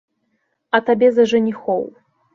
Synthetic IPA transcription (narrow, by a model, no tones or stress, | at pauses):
ɐt̪abʲɛzɐʐɨnʲixɔw